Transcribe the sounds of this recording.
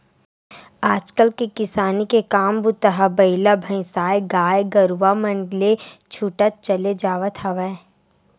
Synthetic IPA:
aːd͡ʒkəlkekɪsaːnikekaːmbʊt̪əɦabɐɪlabʱə̃ɪ̃saːjɡaːjɡəɾʋamə̃ɳɖlet͡ʃʰuʈət̪̚t͡ʃɐled͡ʒaːʋət̪ʰɦɐʋə

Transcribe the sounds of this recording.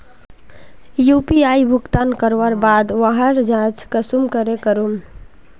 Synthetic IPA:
jupiajbʱuɡt̪ankəɾʋəɾbad̪ʋaɦəɾd͡ʒãt͡ʃʰkəsumkəɾekəɾum

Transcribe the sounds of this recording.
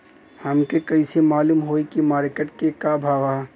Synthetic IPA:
hɐmkekɐisemaːluːmɦoːikimaːɾkəʈkekabʱaːʋa

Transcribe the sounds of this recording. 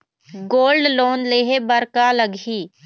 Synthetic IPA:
ɡoːlɖloːnleːɦebəɾkaləɡʱiː

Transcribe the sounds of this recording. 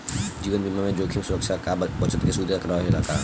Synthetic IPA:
d͡ʒiːʋənd͡ʒɪmːamẽd͡ʒoːkʰimsʊɾəkʃakabɐt͡ʃət̪kesuːd̪ʱaɾɐkʰɾaɦelaːka̰ː

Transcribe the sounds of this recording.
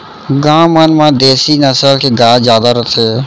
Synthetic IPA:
ɡãːmənmãːd̪eːsiːnəsəlkeɡaːzjaːd̪aɾət̪ʰeː

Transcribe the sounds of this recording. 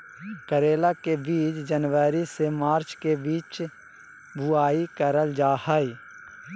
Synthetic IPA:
kəɾeːlakebiːt͡ʃd͡ʒənʋaːɾisemaːɾt͡ʃkebiːt͡ʃ | bʊaːikəɾəld͡ʒaːhai

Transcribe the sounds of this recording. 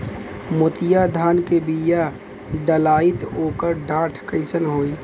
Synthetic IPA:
mʊt̪ɪjad̪ʱaːnkebija | ɖəlaːɪt̪oːkəɾɖãːʈʰkəɪsənɦoːi

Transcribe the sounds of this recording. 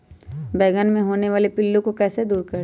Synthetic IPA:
bɛːɡənmẽɦoːneʋaːlepɪlːũkokɛːsed̪uːɾkɐɾ

